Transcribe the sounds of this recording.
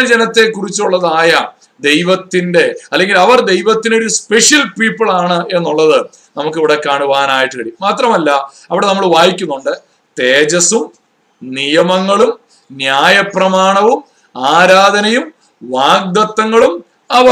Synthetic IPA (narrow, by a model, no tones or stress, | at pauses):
d͡ʑenɐt̪ːe̞kːurit͡ɕːuɭːɐðaːjɐ | d̪e̞jʋɐt̪ːinde̞ɐlːe̞ŋɡilɐʋɐrd̪e̞jʋɐt̪ːineoɾuspe̞ʂjɐlpiːpːɐɭaːɳɨe̞nːuɭːɐðɨ | nɐmukːeʋiɽekːaːɳuʋaːnaːjiʈːɨkɐɽijmːaːt̪rɐmɐlːɐ | ɐʋiɽe̞nɐmːɐɭʋaːjikʲːunːuɳɖɨ | t̪eːd͡ʑɐsum | nijɐmɐŋːɐɭum | njaːjɐprɐmaːɳɐʋum | aːɾaːd̪ʱɐnɐjum | ʋaːɡ̚d̪ɐt̪ːɐŋːɐɭum | ɐʋɐ